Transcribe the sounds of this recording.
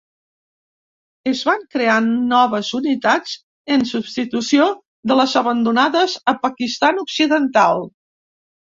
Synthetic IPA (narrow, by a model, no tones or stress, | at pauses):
əzβaŋkɾeanːɔβ̞əzunit̪ad͡z | ənsubst̪it̪usio | ðələzəβənd̪unaðəzəpəkist̪anuksiðənt̪alˠ